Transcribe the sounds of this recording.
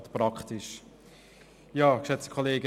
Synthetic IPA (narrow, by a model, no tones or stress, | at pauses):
t̪pɾɑkχt̪ɪʃ | jɑːkʃɛt͡stkʰɔleːɡə